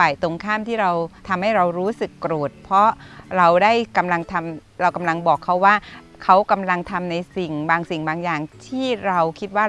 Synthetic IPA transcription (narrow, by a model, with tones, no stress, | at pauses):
faː˨˩jt̪o˧ŋkʰaː˥˩mt̪ʰiː˥˩ɾa˧wt̪ʰa˧mha˥˩jɾa˧wɾuː˦˥sɯ˨˩kːɾoː˨˩t̪̚pʰɾɔ˦˥ɾa˧wdaː˥˩jka˧mla˧ŋt̪ʰa˧mɾa˧wka˧mla˧ŋbɔː˨˩kʰːa˦˥waː˥˩ | kʰa˦˥wka˧mla˧ŋt̪ʰa˧mna˧jsi˨˩ŋbaː˧ŋsi˨˩ŋbaː˧ŋjaː˨˩ŋt̪ʰiː˥˩ɾa˧wkʰi˦˥t̪̚waː˥˩